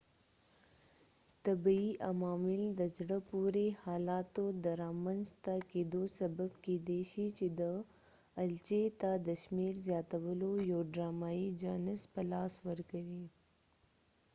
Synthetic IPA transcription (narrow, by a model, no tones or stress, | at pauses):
t̪abiʔamɑːmɪld̪əd͡ʒɽəpuɾehɑːlɑːt̪od̪əɾɑːmənzt̪aked̪osɐbabked̪eʃit͡ʃed̪əː | lt͡ʃet̪ad̪əʃmeɾzjɑːt̪awəlojoɖɾɑːmaːid͡ʒanɪzpəlɑːswəɾkawi